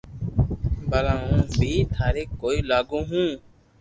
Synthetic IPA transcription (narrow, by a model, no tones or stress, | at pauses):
bəlãːũːbʱiːt̪ʰaːɾeːkːoːiːlaːɡõːɦũː